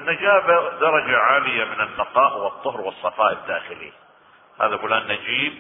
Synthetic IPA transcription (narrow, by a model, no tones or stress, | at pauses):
nːad͡ʒaːbɪd̪ɑɾˤɑd͡ʒaʕaːlɪjamɪnɪnːɑqɑːʔwɨt̪ˤːʊhɾwɨsˤːɑfɑːʔɪd̪ːaːxɪlḭː | ha̰ːðaɡʊlaːnːad͡ʒiːb̚